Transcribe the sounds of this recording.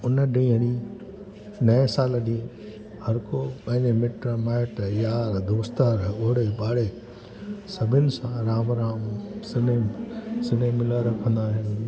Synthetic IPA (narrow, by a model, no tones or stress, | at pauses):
ʊnəɖĩːɦəɽ̃i | nɐẽsaːlɗĩ | hɐɾkopɐ̃ɦɪ̃ɲd͡ʑemɪʈɾmaːɪʈjaːɾd̪oːst̪əɾʊɦɪɽeɓaːɽe | sɐbʱɪnɪ̆sãɾaːmɾãːmsɪnesɪnemɪləɾɐkʰə̃nd̪aːɦɪnɪ